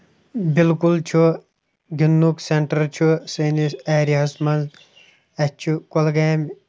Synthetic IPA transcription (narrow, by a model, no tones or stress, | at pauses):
bilkult͡ʃʰu | ɡinːukseɳʈɐɾt͡ʃʰusɐːnisaːɾiɦɐsmɐnz | ɐt͡ʃʰukolɡɐːm